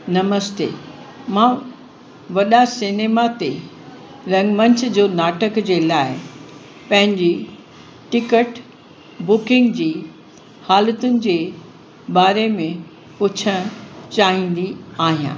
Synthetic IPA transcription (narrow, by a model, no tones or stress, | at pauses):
nɐməst̪ḛː | mãː | ʋɐɗasɪneːmat̪e | ɾɐ̃ŋɡmɐ̃ɲt͡ɕʰd͡ʑoːnaːʈəkd͡ʑeːlaːɪ | pɐ̃ɦɪ̃ɲd͡ʑi | ʈɪkəʈ | bʊkɪ̃ŋɡd͡ʑiː | haːlət̪ʊnɪ̆d͡ʑeː | baːɾemẽ | pʊt͡ɕʰəɽ̃t͡ɕaːɦĩːn̆d̪iaːɦijã̰ː